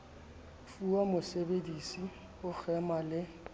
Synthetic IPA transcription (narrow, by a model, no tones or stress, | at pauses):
fuamʊsebedisi | ʊk͡xʰɛmalɪ